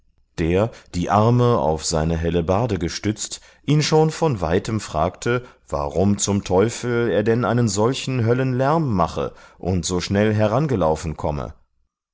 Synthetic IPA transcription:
d̥eːɐd̥iːʔaɐməa̰ʊfz̥aɪnəɦɛləbaːdəɡəʃtʏt͡st | ʔiːnʃoːnfɔnva̰ɪtəmfʁ̥aːktʰə | v̥a̰ʁʊmt͡sʊmtʰɔʏfl̩eːɐdɛnʔaɪnənzɔlçn̩ɦœlənlɛɐmːaχə̰ʔʊntz̥oːʃnɛlɦɛɐʁ̞anɡəlaʊfn̩kʰɔmə̰

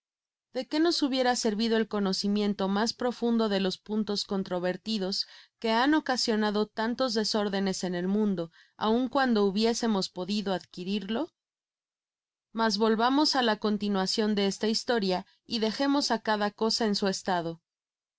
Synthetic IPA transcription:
ð̥e̞ke̞no̞suβje̞ɾase̞ɾβiðo̞e̞lko̞no̞simjẽ̞nt̪o̞maspɾo̞fund̪o̞ðe̞lo̞spunt̪o̞sko̞nt̪ɾo̞βe̞ɾt̪iðo̞ske̞ano̞kasjo̞naðo̞t̪ant̪o̞zðe̞so̞ɾðe̞ne̞se̞ne̞lmũnd̪o̞ | a̰uŋkwand̪o̞uβje̞se̞mo̞spoðiðo̞aðkiɾiɾlo̞ | mazβo̞lβamo̞salako̞nt̪inwasjo̞nd̪e̞est̪aist̪o̞ɾja | iðe̞xe̞mo̞sakaðako̞sae̞nsue̞st̪að̞o̞

